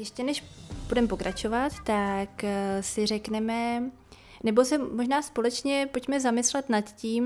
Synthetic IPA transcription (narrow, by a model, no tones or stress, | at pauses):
jɛʃcɛnɛʃb̥udɛmpo̞kɾʔat͡ʃo̞vat̪ːaksɪr̝ɛknɛmɛ | nɛbosɛmoʒnaːspo̞lɛt͡ʃɲɛpo̞cmɛzamɪslɛt̪nat̪ciːm